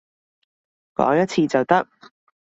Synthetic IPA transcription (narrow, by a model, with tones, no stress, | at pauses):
kɔ̰ː˨˥ŋjɐ˥t̚t͡sʰiː˧t͡sɐ˨˩wt̪ɐ˥k̚